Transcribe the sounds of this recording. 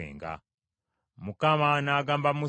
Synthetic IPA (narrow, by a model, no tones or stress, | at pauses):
ḛːŋɡa̰ | mukamanaːɡaːmbamu